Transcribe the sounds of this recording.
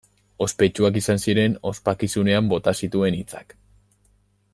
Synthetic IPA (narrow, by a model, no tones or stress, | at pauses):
o̞spe̞t͡ʃuak̬isansiɾe̞no̞spakisune̞ambo̞t̪asit̪ue̞nit͡sḁk